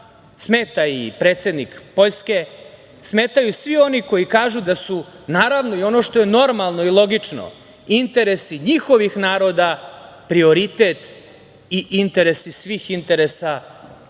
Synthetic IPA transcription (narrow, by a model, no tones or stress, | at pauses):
smeːt̪aḭpɾe̞ːt̪sed̪nikpo̞ʎske̞ | smeːt̪ajusʋio̞niko̞jikaːʒud̪asu | naːɾaʋno̞io̞no̞ʃt̪o̞je̞no̞ɾmalˠno̞ilˠo̞ɡit͡ʂno̰ | int̪e̞ɾesiɲixo̞ʋixnaːɾo̞d̪a | pɾio̞ɾit̪et̪ | iʔint̪e̞ɾesisʋixint̪e̞ɾesa